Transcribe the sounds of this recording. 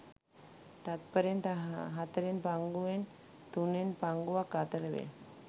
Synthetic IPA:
t̪at̪̚pəɾjənt̪əɦaɦat̪əɾenpaŋɡuʋen | t̪unenpaŋɡuʋakat̪ələʋḛ

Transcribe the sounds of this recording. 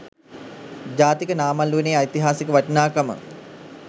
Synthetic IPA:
d͡ʑaːt̪ikənaːmalːueneːajt̪iɦaːsikəʋaʈənaːkamə̰ŋ

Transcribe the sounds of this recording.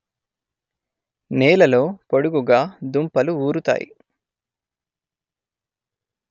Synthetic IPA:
neːlɐlo̞ːpoɽuɡuɡaːd̪umpɐluuːɾut̪a̰ːjḭ

